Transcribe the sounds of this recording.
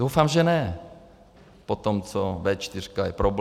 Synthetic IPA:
owfaːmʒɛnɛ | pot̪omt͡sovɛt͡ʃt̪ɪr̝kajɛpɾob

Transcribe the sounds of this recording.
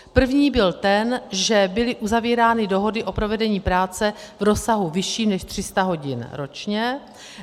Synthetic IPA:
pr̩vɲiːbɪlt̪ɛnʒɛbɪlɪʔuzaviːɾaːnɪdo̞ɦo̞dɪʔo̞pɾo̞vɛdɛɲiːpɾaːt͡sɛvɾo̞saɦuvɪʃiːmnɛʃt̪r̥ɪst̪aɦo̞ɟɪnɾo̞t͡ʃɲɛ

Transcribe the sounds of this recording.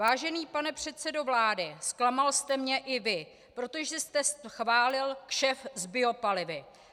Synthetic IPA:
vaːʒɛniːpanɛpr̝̥ɛt̪t͡sɛdo̞vlaːdɪsklamalst̪ɛmɲɛʔɪvɪ | pɾo̞t̪o̞ʒɛst̪ɛsxvaːlɪlkʃɛfzbɪo̞palɪvɪ

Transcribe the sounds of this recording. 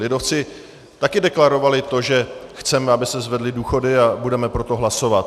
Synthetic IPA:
lɪdo̞ft͡sɪ | t̪akɪdɛklaɾo̞valɪt̪o̞ʒɛxt͡sɛmɛabɪsɛzvɛdlɪduːxo̞dɪabudɛmɛpɾo̞t̪o̞ɦlaso̞vat̪

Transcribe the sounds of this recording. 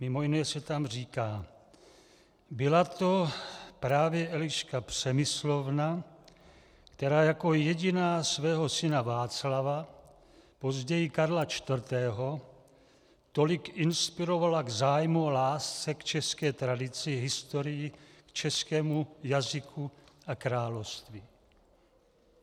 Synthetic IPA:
mɪmo̞jɪnɛsɛt̪amr̝iːkaː | bɪlat̪o̞pɾaːvjɛʔɛlɪʃkapr̥ɛmɪslo̞vna | kt̪ɛɾaːjako̞jɛɟɪnaːsvɛːɦo̞sɪnavaːt͡slava | po̞zɟɛjikaɾlat͡ʃt̪vr̩t̪ɛːɦo | t̪o̞likɪnspiɾo̞valaɡzaːjmuolaːst͡sɛkt͡ʃɛskɛːt̪ɾadɪt͡sɪɦɪst̪oɾɪjɪkt͡ʃɛskɛːmujazɪkʰuakɾaːlofst̪vi

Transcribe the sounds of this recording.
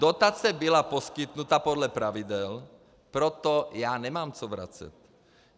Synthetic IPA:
d̪ot̪at͡sɛbilapɔskit̪nut̪apɔd̪lɛpɾavid̪ɛl | pɾɔt̪ɔjaːnɛmaːmt͡sɔvɾa̰t͡sɛ̰t̪

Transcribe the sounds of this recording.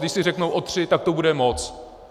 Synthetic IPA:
dɪʃsɪr̝ɛknowʔo̞t̪r̝̥ɪt̪ak̚t̪obudɛmot͡s

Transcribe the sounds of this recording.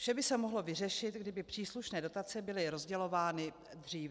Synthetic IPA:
fʃɛbɪsɛmoɦlo̞vɪr̝ɛʃɪt̪ɡdɪbɪpr̝̥iːsluʃnɛːdo̞t̪at͡sɛbɪlɪɾo̞zɟɛlo̞vaːnɪ | d̪r̝iːv

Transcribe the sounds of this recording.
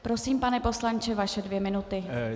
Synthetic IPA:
pɾo̞siːmpanɛpo̞slant͡ʃɛvaʃɛdvjɛmɪnut̪ɪ

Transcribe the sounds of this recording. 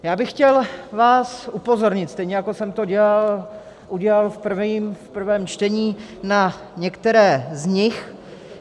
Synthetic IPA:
jaːbɪxːcɛlvaːsʔupo̞zo̞ɾɲɪt̪st̪ɛjɲɛjakosɛmt̪oɟɛlal | ʔuɟɛlalfpr̩viːmfpr̩vɛːmt͡ʃt̪ɛɲiː | na | ɲɛkt̪ɛɾɛːzɲɪx

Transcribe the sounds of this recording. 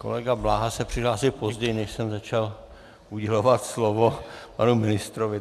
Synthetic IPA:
kolɛɡablaːɦasɛpr̝̥ɪɦlaːsɪpo̞zɟɛjnɛʃsɛmzat͡ʃal | ʔuɟɛlovat̪slovopanumɪnɪst̪ɾovɪ

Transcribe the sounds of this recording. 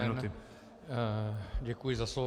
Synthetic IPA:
unɪ | ɟɛkujɪzaslo

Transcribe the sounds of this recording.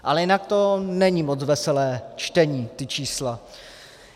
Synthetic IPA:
ʔalɛjɪnak̚t̪o̞nɛɲimot͡svɛsɛlɛːt͡ʃt̪ɛɲiːt̪ɪt͡ʃiːsla

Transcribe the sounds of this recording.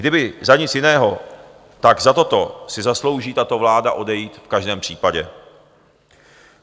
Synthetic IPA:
ɡdɪbɪzaɲɪt͡sjɪnɛːɦo̞ | t̪aɡzat̪o̞t̪o̞sɪzaslo̞wʒiːt̪at̪o̞vlaːdaʔo̞dɛjiːt̪fkaʒdɛːmpr̥iːpaɟɛ

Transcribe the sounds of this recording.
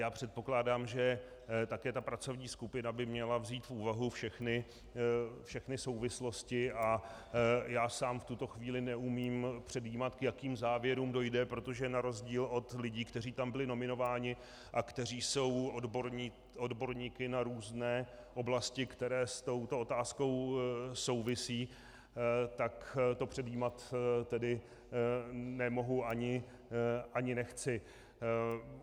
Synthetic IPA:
jaːpr̥ɛt̪̚po̞klaːdaːmʒɛ | t̪akɛːt̪apɾat͡so̞vɲiːskupɪnabɪmɲɛlavziːt̪fʔuːvaɦufʃɛxnɪ | fʃɛxnɪso̞wvɪslo̞scɪʔa | jaːsaːmft̪ut̪o̞xviːlɪnɛumiːmpr̝̥ɛdjiːmat̪kjakiːmzaːvjɛɾuːmdo̞jdɛpɾo̞t̪o̞ʒɛnaɾo̞zɟiːlo̞t̪lɪɟiːkt̪ɛriːt̪ambɪlɪno̞mɪno̞vaːɲɪ | ʔakt̪ɛr̝iːso̞wodboɾɲiː | odbo̞ɾɲiːkɪnaɾuːznɛːʔo̞blascɪkt̪ɛɾɛːst̪o̞wt̪o̞ot̪aːsko̞wso̞wvɪsiː | t̪akt̪o̞pr̥ɛdjiːmat̪t̪ɛdɪ | nɛmo̞ɦuʔaɲɪ | ʔaɲɪnɛxt͡sɪ

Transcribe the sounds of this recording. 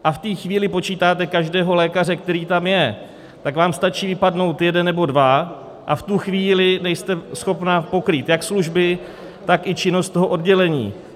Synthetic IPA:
ʔaft̪iːxviːlɪpo̞t͡ʃiːt̪aːt̪ɛkaʒdɛːɦo̞lɛːkar̝ɛk̚t̪ɛɾiːt̪amjɛ | t̪akvaːmst̪at͡ʃiːvɪpadno̞wt̪jɛdɛnːɛbo̞dva | ʔaft̪uxviːlɪnɛjst̪ɛsxo̞pnapo̞kɾiːt̪jaksluʒbɪ | t̪akʔɪt͡ʃɪnost̪o̞ɦoʔo̞dɟɛlɛɲḭː

